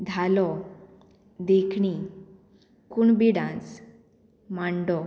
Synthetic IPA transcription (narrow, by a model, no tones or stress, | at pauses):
d̪ʱalɔ | d̪ekʰɳi | kuɳbiɽãt͡s | maɳɖɔ